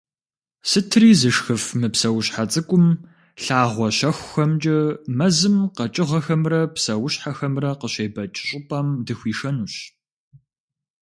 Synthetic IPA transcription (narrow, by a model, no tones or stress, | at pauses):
sɨtʰriːzɨʂxɨfmɨpsɐwɕħat͡sʼɨkʷʼʊm | ɬaːʁʷɔɕɐxʷxɐmt͡ʃʼɐmɐzɨmqɐt͡ʃʼɪʁɐxɐmrɐpsɐwʊɕħaxɐmrɐqəɕeːbɐt͡ʃʼɪɕʼɪpʼɐmdɨxʷiːʃɐnuːɕ